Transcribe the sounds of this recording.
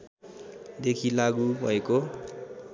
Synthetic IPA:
d̪ekʰilaɡubʱʌeko

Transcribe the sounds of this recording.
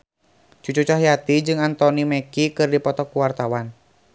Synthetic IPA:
t͡ʃut͡ʃut͡ʃaɦjat̪id͡ʒɨŋant̪ɔnimɛkikɨrdipɔt̪ɔkuwart̪awan

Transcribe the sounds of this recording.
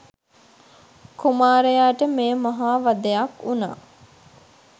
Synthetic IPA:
kumaːɾəjaːʈəmejːmaɦaːʋad̪əjakuna̰ː

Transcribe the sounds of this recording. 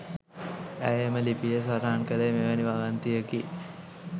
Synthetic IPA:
æjeməlipijəs̬aɾaːnkələjmeʋaniʋaɡant̪ijəki

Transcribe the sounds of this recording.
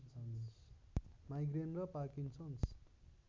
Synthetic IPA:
n | majɡrenrʌpakint͡sʰʌnt͡s

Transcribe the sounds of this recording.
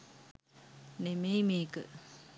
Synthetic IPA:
nemeːmiːkə̰

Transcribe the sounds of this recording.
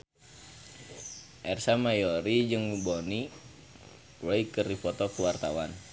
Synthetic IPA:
ʔɛrsamajɔɾid͡ʒɨŋmubɔni | wɛikərdipɔt̪ɔkəwart̪awan

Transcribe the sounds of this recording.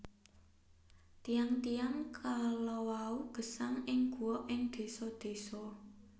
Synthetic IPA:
t̪ijaŋt̪ijaŋkʰalɔwauɡ̥ə̤saŋɪŋɡ̥ṳɔʔɪŋd̪̥e̤sɔd̪̥e̤sɔ

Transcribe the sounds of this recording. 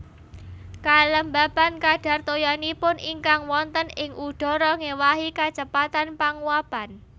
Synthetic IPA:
kaləmbab̥a̤nkaɖ̥a̤rt̪ojanipʊnʔiŋkaŋwɔnt̪ənɪŋʔuɖ̥ɔ̤ɾɔŋewaɦikḁt͡ʃəpat̪anpaŋuab̥an

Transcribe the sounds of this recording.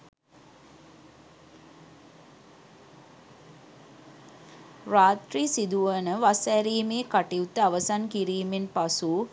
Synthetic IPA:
raːt̪risid̪uʋənəʋasɛɾiːmeːkaʈiut̪əaʋəsankiɾiːmenpasu

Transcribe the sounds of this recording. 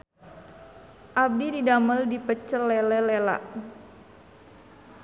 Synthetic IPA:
ʔab̚dididaməldipət͡ʃəlːɛlɛlɛla̰ʔ

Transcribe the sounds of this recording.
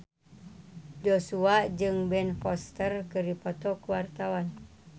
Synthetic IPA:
d͡ʒosuad͡ʒɨŋbɛnfɔst̪ərkəripɔt̪ɔkəwart̪awan

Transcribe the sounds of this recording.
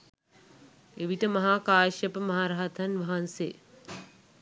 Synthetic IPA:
eʋiʈ̪əmɐɦaːkaːjʃɐpəmɐɦaːɾaɦat̪ʰɐnʋɐɦanse

